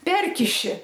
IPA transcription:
ˈpʲɛrʲkʲɪʃʲɪ

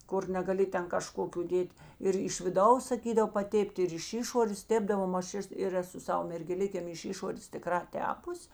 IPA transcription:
ˈkʊr nʲɛɡɐˈlʲɪ ˈtʲɛn kɐˈʃkoːkʲʊ ˈdʲeːtʲ ɪr ɪʃ ʋʲɪˈdɐʊs sɐˈkʲiːdɐw pɐˈtʲeːpʲtʲ ɪr ɪʃ ˈɪʃoːrʲeːs ˈtʲeːbdɐʋoːm ɐʃ ˈɛs ɪr ˈæːˌsʊ ˈsɑːʋɐ mʲɛrʲɡʲɛˈlʲɪkʲeːm ɪʃ ˈɪʃoːrʲeːs tʲɪˈkrɑː ˈtʲæːpʊsʲ

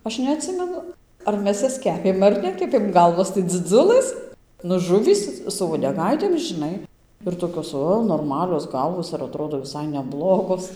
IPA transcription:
ˈɐʃ nʲɛɐtʲˈsʲɪmʲɛnʊ ɐr ˈmʲɛs ˈjɛs ˈkʲæːpʲeːm ɐr ˈnʲæːkʲɛpʲeːm ˈɡɐlˠʋoːs tɐɪ d͡zʲɪˈd͡zʊlˠɘs nʊ ˈʒʊʋʲiːs sʊ uɔdʲɛˈɡɐɪtʲeːm ʒʲɪˈnɐɪ ɪr toːˈkʲoːs ˈoː noːrˈmɑːlʲoːs ˈɡɐlˠʋoːs ɪr ɐˈtroːdoː ʋʲɪˈsɐɪ nʲɛˈblˠoːɡoːs

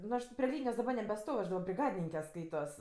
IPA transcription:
nʊ ˈɐʃ tʲɪ pʲrʲɪ ˈlʲiːnʲɪjoːs dɐˈbɐ nʲɛbʲɛˈstoːw ɐʃ dɐˈbɐ bʲrʲɪˈɡɑːdʲɪnʲɪŋʲkʲɛ ˈskɐɪtoːs

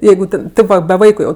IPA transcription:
ˈjɛɪɡʊ tʲɛn ˈtʲeːp ʋɐ bʲɛ ˈʋɐɪkʊ jɛʊ

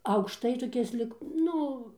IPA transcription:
ɐʊkʃˈtɐɪ toːˈkʲɪs lʲiːk ˈnʊ

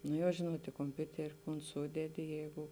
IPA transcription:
ˈnoː jɛʊ ˈʒʲeːnuɔt ɪ koːmʲˈpʲʊtʲɛrʲɪ koːn ˈsuːdʲɛdʲɪ ˈjɛɪɡʊ

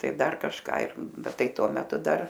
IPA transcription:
ˈtɐɪ ˈdɐr kɐʃˈkɑː ɪr ˈbʲɛt ˈtɐɪ ˈtuɔ mʲɛˈtʊ ˈdɐr

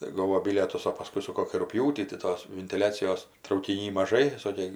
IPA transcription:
tɐɪ ˈɡoːʋoː ˈbʲɪlʲiɛtʊs oː pɐˈskʊɪ sʊ ˈkoːkʲiː rʊkˈpʲjuːtʲiː tɐɪ ˈtoːs ʋʲɪnʲtʲɪˈlʲæːt͡sʲɪjoːs trɐʊkʲɪˈnʲiː mɐˈʒɐɪ ˈsoːkʲeː

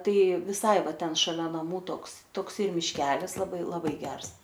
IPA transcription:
ˈtɐɪ ʋʲɪˈsɐɪ ˈʋɐ ˈtʲɛn ʃɐˈlʲɛ nɐˈmuː ˈtoːks toːkˈsɐɪ mʲɪʃʲˈkʲæːlʲɪs lˠɐˈbɐɪ lˠɐˈbɐɪ ˈɡʲɛrs

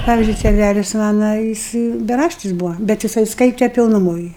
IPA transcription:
ˈpɑːʋʲiːzʲd͡ʒʲʊɪ sʲɛˈnʲælʲɪs ˈmɑːnɐ ˈjɪs bʲɛˈrɑːʃʲtʲɪs ˈbuːʋɐ bʲɛt jɪˈsɐɪ ˈskɐɪtʲɛ pʲɪlˠnʊˈmoːj

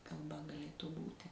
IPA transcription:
kɐlˠˈbɐ ɡɐˈlʲeːtuː ˈbuːtʲɪ

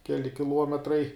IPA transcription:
ˈkʲæːlʲɪ kʲɪˈlˠuɔmʲɛtrɐɪ

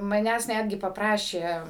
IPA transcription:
mɐˈnʲæːs ˈnʲædʲɡʲɪ pɐpˈrɑːʃʲeː

